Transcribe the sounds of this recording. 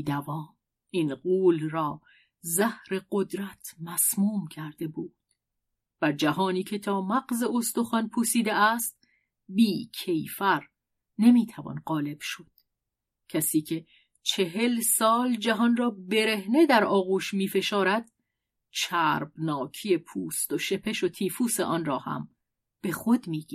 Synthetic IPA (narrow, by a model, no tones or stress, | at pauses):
d̪ævɒːm | iːnɢuːlɾɒː | zæhɾe̞ɢod̪ɾæt̪ʰmæsmuːmcʰæɾd̪̥e̞buːd̪̥ | b̥æɾd͡ʒæɦɒːniːcʰe̞t̪ʰɒːmæɡze̞ost̪oxɒːnpʰuːsiːd̪eæst̪̚ | biːcʰe̞jfæɾ | ne̞miːt̪ʰævɒ̰nɢɒːle̞b̥ʃo̞d̪̥ | cʰæsiːcʰe̞ | t͡ʃʰe̞ɦe̞lsɒːld͡ʒæɦɒnrɒːbe̞ɾe̞hne̞d̪æɾɒːɣuːʃmiːfe̞ʃɒːɾæd̪̥ | t͡ʃʰæːɾbnɒːcʰijepʰuːst̪o̞ʃe̞pʰeʃo̞t̪ʰiːfuːseʔɒːnrɒːhæ̰m | b̥e̞xod̪miːɡi